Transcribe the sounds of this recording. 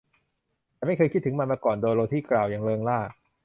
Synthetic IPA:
t̪ɛː˨ma˥˩jkʰɤː˧kʰi˦˥t̪ʰːɯ˩˦ŋma˧nmaː˧kɔː˨˩ndoː˧jɾoː˧t̪ʰiː˥˩klaː˨˩wjaː˨˩ŋlɤː˧ŋlaː˥˩k̚

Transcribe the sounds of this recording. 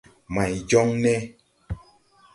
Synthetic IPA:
ma˨jd͡ʒɔ˦ŋnɛ˦

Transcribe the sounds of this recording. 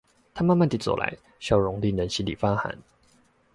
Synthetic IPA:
t̪ʰa˥ma˥˧nma˥˨nt̪i˨˥˩t͡sɔ̰˨˩la̰˧˦ɪ | ɕjɑ˥˩ʊɻʊ˧˥ŋli˥˩nə˧˦nɕi˧˥lḭ˨˩fa˥xa̰˧˦n

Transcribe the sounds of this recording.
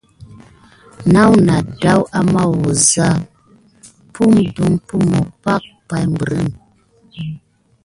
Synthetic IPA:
na˦wna˨da˦wa˦ma˦˨wo˨za˦ | pʰu˦mdu˦mpu˦mo˨pa˦k̚pa˨jm˨bɾə̰˦˨n

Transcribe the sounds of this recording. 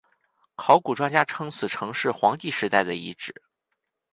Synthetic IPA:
kʰɑ˧˥ʊku˨˩ʈ͡ʂwa˥nt͡ɕja˥ʈ͡ʂʰɤ˥ŋt͡sʰɹ̩˨˩ʈ͡ʂʰɤ˧˥ŋʂɻ̩˥˩xwɑ˧˥ŋt̪i˥˩ʂɻ̩˧˥t̪a˥˩ɪd̪ə˩ḭ˧˥ʈ͡ʂɻ̩˨˩˦

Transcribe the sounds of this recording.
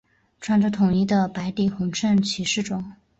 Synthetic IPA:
ʈ͡ʂʰwa˥nʈ͡ʂə˧˥t̪ʰʊ˨˩ŋi˥˩d̪ə˧pa˧˥ɪt̪i˧˩xʊ˧˥ŋʈ͡ʂʰə˥˩nt͡ɕʰy˧˥ʂɻ̩˥˩ʈ͡ʂʊ˨˩˦ŋ

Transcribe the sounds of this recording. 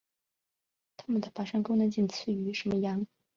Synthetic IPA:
t̪ʰa˥mə˨nd̪ə˩fa˨˥ʂa˥˧ŋko˥ʊnə˧˥nt͡ɕi˥˩nt͡sʰɹ̩˥˩y˧˥ʂə˧˥mə˧jɑ˧˥ŋ

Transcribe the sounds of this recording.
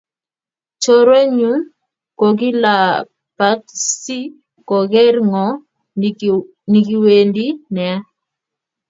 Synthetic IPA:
t͡ʃɔ˦ɾo˦ɲu˦n | ko˨ki˦la˨ | pa˦tsi˦ | kɔ˨ɡɛ˦ɾŋɔ˨ | ni˨ki˨we˨ndi˦nɛ˨˦

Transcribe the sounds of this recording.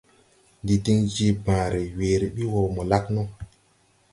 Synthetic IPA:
ndi˨di˦ŋd͡ʒi˦bãː˨ɾe˨weː˨ɾe˨ɓi˦wo˨mo˨la˦knɔ˦

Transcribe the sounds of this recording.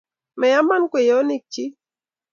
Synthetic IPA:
mɛ˨ja˦ma˦n˦kwe˨jɔ˦ni˦˨k̚t͡ʃi˦

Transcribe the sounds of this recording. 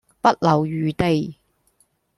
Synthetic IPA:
pɐ˥t̚lɐ˨wjyː˨˧t̪e˧j

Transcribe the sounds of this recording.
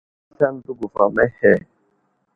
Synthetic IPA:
sa˦n̩˦du˦ɡu˨fa̰˨mɛ˦hɛ˦˨

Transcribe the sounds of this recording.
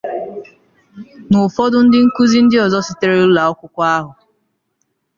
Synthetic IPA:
nʊ˨fɔ˦dʊ˦n̩˦dɪ˦ŋ̩˦ku˦zi˦n̩˦dɪ˦ɔ˨zɔ˦sɪ˨te˦ɾe˦ʊ˦la˨ɔ˦kʷʊ˦kʷa˦ɦʊ˨

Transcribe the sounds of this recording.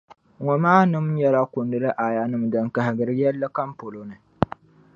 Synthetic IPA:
ŋɔ˨maː˦nɨ˦mɲɛ˦la˦kʊ˨ndɨ˦lɨ˦ʔa˨ja˨nɨ˨mda˨ŋka˨hɪ˨ɡɨ˨ɾɨ˦jɛ˦lːɨ˦ka˦mpo˨lo˦nɨ˨

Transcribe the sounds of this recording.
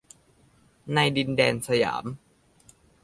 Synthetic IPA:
na˧jdi˧ndɛː˧nsa˧ja̰ː˩˦m

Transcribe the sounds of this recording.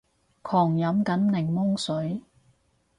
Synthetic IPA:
kʰɔː˨˩ŋjɐ˨˥mkɐ˨˥nnɪ˨˩ŋmʊ˥ŋsɵ˨˥ɥ

